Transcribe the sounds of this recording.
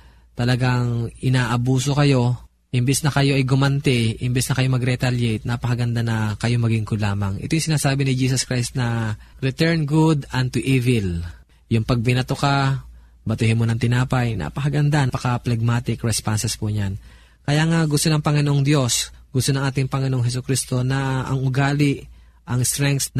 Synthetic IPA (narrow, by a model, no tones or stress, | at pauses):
t̪ɐlɐɡaŋɪnaːʔɐbuːso̞kɐjo̞ | ʔɪmbɛsnɐkɐjo̞ʔɐjɡʊmɐnt̪ɛʔɪmbɛsnɐkɐjo̞mɐɡɾɛt̪aljɛjt̪̚nɐpɐkɐɡɐnd̪anɐkɐjo̞mɐɡiŋkʊlaːmɐŋʔɪ̰t̪ojʊŋsɪnaːsaːbɪnɪd͡ʒiːsɐskɾajst̪nɐɾɛt̪ɛɹnɡud̪ɐnt̪uʔivɪl | jʊŋpɐɡ̚pɪnɐt̪oka | bɐt̪ɪhɪnmonɐŋt̪ɪnaːpɐjnʔɐ̰pɐkɐɡɐnd̪anpɐkɐplɛɡ̚maːt̪ɪkɹɛspansɛspʊɲan | kɐjaŋaɡʊst̪o̞nɐŋpɐŋɪnoʔoŋd̪jo̞sɡʊst̪onɐŋʔaːt̪ɪŋpɐŋɪnoʔoŋɦɛs̬ʊkɾist̪o̞nɐɐ̰ŋʊɡaːlɪʔ | ʔɐŋst̪ɾɛŋk̚sn